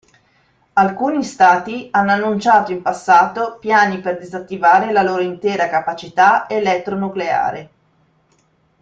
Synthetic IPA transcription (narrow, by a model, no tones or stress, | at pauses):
alkuːnist̪aːt̪ianːoanːunt͡ʃaːt̪oimpasːaːt̪opjaːniperd̪izat̪ːivaːɾelaloːɾoint̪ɛːɾakapat͡ʃit̪aelɛt̪ːɾonuklea̰ːɾe